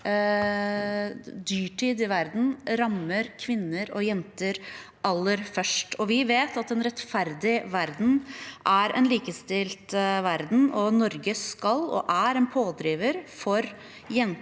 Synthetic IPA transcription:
d̪yːʈʰiːd̪ɪʋæɾd̪n̩ɾɑməɾkʰʋɪnːəɾɔjɛnt̪əɾ | ʔɑlːəɾfœʂʈɔʋɪʋeːt̪ɑt̪ɛnɾɛt̪fæɾd̪ɪʋæɾd̪n̩ʔæɾʔɛ̰nliːkəst̪ɪlt̪ʋæɾd̪n̩ɔnɔɾɡəskɑlɔ̰ʔæɾɛnpʰoːd̪ɾiːʋəɾfɔɾ | jɛn

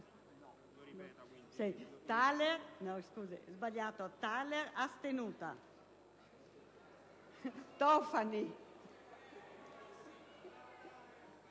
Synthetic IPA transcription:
sɛjt̪aleɾnɔ̃wskuziɛzbaʎat̪ɔt̪aleɾast̪enut̪a̰ | t̪ɔfani

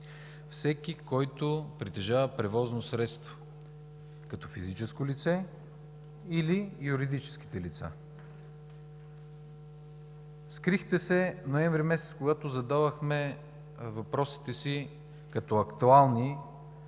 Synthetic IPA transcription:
fsɛkʲikɔjt̪opɾit̪ɛʒavəpɾɛvɔznosɾɛt̪st̪vo̥ | kɐt̪ɔfizit͡ʃɛskolit̪sɛ | ilijuɾid̪it͡ʃɛ̥sk̟i̥t̪ɛlit̪sa̰ | skɾixt̪ɛsɛnoɛnvɾimɛsɛt̪skoɡat̪ozɐd̪avəxmɛ | vɐpɾɔsi̥t̪ɛsi | kɐt̪ɔɐkt̪ualˠni

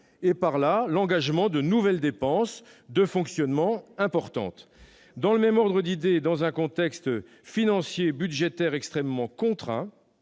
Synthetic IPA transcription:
epaʁlalɑ̃ɡaʒmɑ̃d̪ənuvɛld̪epɑ̃s | d̪əfɔ̃ksjɔnmɑ̃ɛ̃pɔʁt̪ɑ̰̃t̪ | d̪ɑ̃ləmɛmɔʁd̪ʁəd̪id̪ed̪ɑ̃zɛ̃kɔ̃t̪ɛkst̪ | finɑ̃sjebyd̪ʒet̪ɛʁɛkst̪χɛmːɑ̃kɔ̃t̪χɛ̰̃

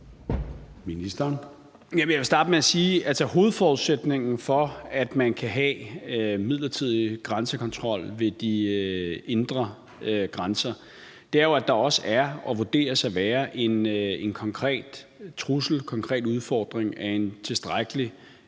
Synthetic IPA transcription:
minisd̥ɐn | jæmənjaʋe̝sd̥ɑ̈ːd̥əmeæsiːʔælsɐho̝ːð̞̩ˠfɒːuðˠsed̥ne̝ŋn̩fɒ̽æd̥mænkʰæɦɛ | mið̰ˠlɐt͡sʰið̰ˠiɡ̥ʁansəkʰɒ̽nt͡sʰʁɒ̽l̰ʋe̝d̥i | e̝nd̥ʁɐ | ɡ̥ʁansɐ | d̥e̝æɐjo̝æd̥ɑ̈ɒ̽səæɐɒ̽ʋud̥e̝̰ːɐsæʋæːɐʔe̝nenkʰɒ̽ŋkʰʁɛ̰ːd̥t͡sʰʁusl̩kʰɒ̽ŋkʰʁɛ̰ːd̥uð̞ˠfɒ̰ːd̥ʁeŋæent͡sʰe̝sd̥ʁaɡ̥əli

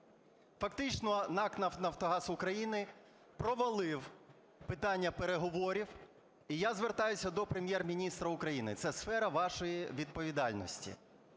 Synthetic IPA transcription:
fɐkt̪ɪt͡ʃnɔnɑknɐwnɐwt̪ɔɦɑsʊkɾɐjinɪ | pɾɔʋɐlˠɪw | pɪt̪ɑnʲːɐpeɾeɦɔʋɔɾʲiw | ijazʋert̪ɑjʊsʲɐd̪ɔpɾemʲjɛrmʲinʲist̪ɾɐʊkɾɐjinɪ̰t̪sɛsfɛɾɐʋɑʃɔjiʋʲid̪̚pɔʋʲid̪ɑlʲnɔ̰sʲtʲḭ

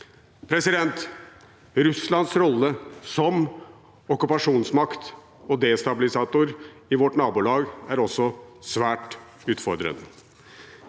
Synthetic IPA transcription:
pʰɾɛsɪd̪ɛnt̪ | ɾʉslɑnsɾɔlːəsɔm | ɔkʉpɑʂuːnsmɑkt̪ | ɔd̪eːst̪ɑbɪlɪsɑːt̪ʊɾɪʋɔʈnɑːbulɑːɡæɾɔsːɔsʋæːʈ | ʉːt̪fɔɾd̪ɾə̰nə

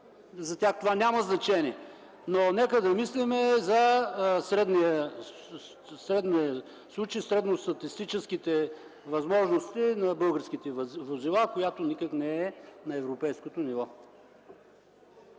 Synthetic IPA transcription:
zɐt̪ʲaxt̪ovanʲamɐznɐt͡ʃɛniɛ | nonɛkəd̪ɐmislimɛzɐsɾɛd̪nijə | sɾɛd̪nijə | slˠut͡ʃjsɾɛd̪nost̪ɐt̪ist̪it͡ʃɛskit̪ɛ | vɐzmɔʒnost̪inɐbɤlˠɡəɾsk̟it̪ɛvozilˠakojat̪onikəknɛɛnɐɛvɾopɛjskot̪onivɔ

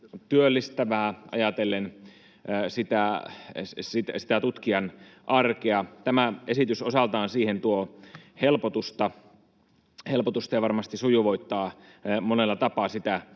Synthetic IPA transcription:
t̪yølːist̪æʋæːʔɑ̰jɑt̪elːenː | sit̪æ | sit̪æsi̥t̪æt̪ut̪kiɑnʔɑrkeɑt̪æmæʔesit̪ysosɑlt̪ɑːnsiːhent̪uohelpot̪ust̪ɑ | helpot̪ust̪ɑjɑʋɑrmɑst̪isujuʋoit̪ːɑː | monelːɑt̪ɑpɑsit̪æ

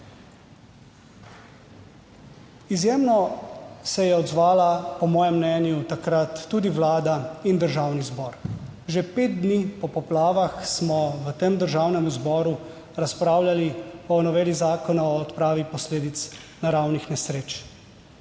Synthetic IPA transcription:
izjeːmnɔsɛjɛɔd̪zʋaːlapɔmɔːjɛmːnɛːnjut̪akɾat̪ːuːd̪iʋlaːd̪aind̪əɾʒawnizbɔːɾʒepeːt̪̚d̪niːpɔpɔplaːʋaxsmɔʋət̪emd̪əɾʒawnɛmuzbɔːɾu | ɾaspɾaːwlʲaliɔnɔʋeːlizaːkɔnaɔːt̪pɾaːʋipɔsleːd̪it̪snaɾawnixnɛsɾeːt͡ʃ

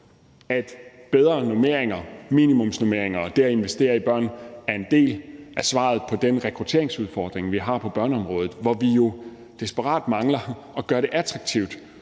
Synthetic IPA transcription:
æd̥b̥eð̞ˠʁɐnome̝ɐ̰eŋɐmḭːnimɔ̽msno̝me̝ɐeŋɐɒ̽d̥e̝æe̝nʋesd̥e̝̰ːɐib̥ɶɐ̰næɐe̝nd̥e̝̰ːlʔæsʋɑ̰̈ð̩ˠpʰɒ̽d̥enʁɛkʰʁut͡sʰe̝̰ɐ̰e̝ŋsuð̞ˠfɒːd̥ʁeŋʋiɦɑ̈pʰɒ̽b̥ɶɐnəɒ̽mʁɔ̽ːð̩ˠʋɒʋijo̝ | d̥isb̥əʁɑ̰̈ːd̥mɑ̈ŋlɐ | ɒ̽ɡ̥ɶɐɾe̝ʔæd̥ʁɑ̈ɡ̥̚t͡sʰiʊd̥

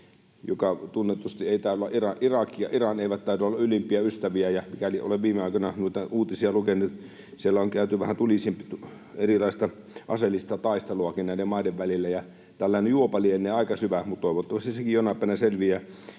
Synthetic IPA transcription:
jo̰kɑt̪unːet̪ust̪ieˑit̪æːˑlːɑʔirɑʔirɑkijjɑ̰ʔirɑneˑiʋæt̪t̪ːɑˑit̪uolːɑylimpˑiæyst̪æʋiæjæmikæliʔo̰leʋʋiːmeɑˑikonɑnuit̪ɑuːt̪isiɑlukenːˑut̪ | sielːæoŋkæˑyt̪yʋæ̰hænt̪ulisimpit̪u | erilɑˑist̪ɑ | ʔɑ̰selːˑist̪ɑt̪ɑˑist̪eluɑkinnæˑidemɑˑideʋʋælilːæjɑ | t̪ælːæˑinejuopɑlienːeːɑˑikɑsyʋæmut̪t̪oˑiʋot̪ːɑʋɑst̪isekijjonːɑpːˑæˑnæselʋiæ

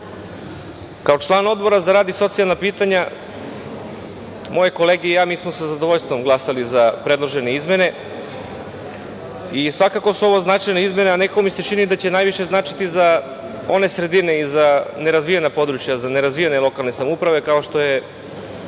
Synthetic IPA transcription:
kao̞t͡ʃlˠaːno̞d̪bo̞ɾazaɾaːd̪iso̞t̪sialˠnapiːt̪aɲa | mo̞je̞ko̞leɡejaːmiːsmo̞sazad̪oʋoʎst̪vo̞mɡlˠasalizapɾe̞d̪lˠoʒe̞neizme̞ne̞ | isʋakako̞suo̞ʋo̞znat͡ʃajneizme̞neanekkomise̞t͡ʃinid̪at͡ɕe̞naːjʋiʃe̞znat͡ʃi̥t̪iza | o̞ne̞sɾe̞d̪ine̞izane̞ɾazʋijenapo̞d̪ɾut͡ʃjazane̞ɾazʋijenelˠo̞kalne̞samoupɾaʋe̞kao̞ʃt̪o̞je̞

